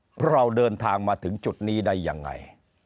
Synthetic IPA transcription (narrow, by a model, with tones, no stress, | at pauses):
ɾa˧wɗɤː˧nt̪ʰaː˧ŋmaː˧t̪ʰɯ˨˩˦ŋt͡ɕu˨˩t̪̚niː˦˥ɗa˧jːaː˧˩ŋːa̰˧˩j